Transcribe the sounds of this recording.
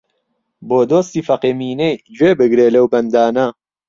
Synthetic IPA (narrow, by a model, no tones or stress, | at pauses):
boːd̪oːst̪iːfɐqeːmiːnejd͡ʒweːbɨɡɾeːlɐwbɐnd̪aːnɐ